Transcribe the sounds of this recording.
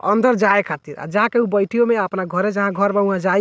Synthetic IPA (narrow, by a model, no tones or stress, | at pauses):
ə̰nd̪ʱəɾd͡ʒaekʰat̪iɾa̰d͡ʒaɦãkeubəjʈʰijomeəpnaɡʱəɾed͡ʒəɦãɡʱəɾbaũãd͡ʒaj